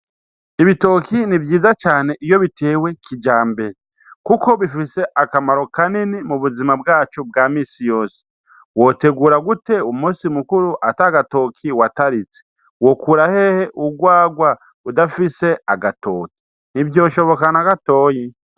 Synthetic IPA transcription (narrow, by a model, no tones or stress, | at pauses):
iβito̞kinibjiːzat͡ʃaːne̞ʔijo̞βitʰe̞ːwe̞kʰid͡ʒaːmbeɾe | kuko̞βifise̞ʔakamaɾo̞kaninimuβuzimabɡaːt͡ʃobɡaːmiːsijo̞ːse̥ | wo̞te̞ɡuːɾaɡute̞umusimukuɾuʔataɡato̞ːkʰiwataɾit͡se̥ | wo̞kuɾahe̞heʔuɡwaːɡwa | udafise̞aɡato̞̰ːki̥ | n̥ivjo̞ːʃo̞βo̞kanaɡato̞ji